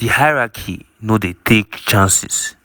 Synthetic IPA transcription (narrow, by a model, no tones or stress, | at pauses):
dihaɪɹakʰḭ | nodetʰekt͡ʃãnsḭs